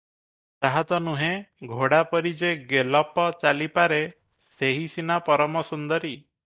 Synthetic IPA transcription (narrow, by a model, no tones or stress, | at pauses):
t̪aɦat̪ɔnuɦẽɡʱoɽapɔɾid͡ʒeɡelɔpɔt͡ʃalipaɾe | seɦisinapɔɾɔmɔsund̪ɔɾi